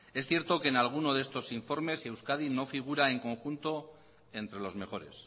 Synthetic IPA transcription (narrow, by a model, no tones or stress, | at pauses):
e̞sθje̞ɾt̪o̞ke̞ːnalɣ̞uno̞ðeest̪o̞siɱfo̞ɾme̞se̞wskað̞ino̞fiɣ̞uɾae̞ŋko̞ŋxunt̪o̞ | e̞nt̪ɾe̞lo̞zme̞xo̞ɾe̞̰s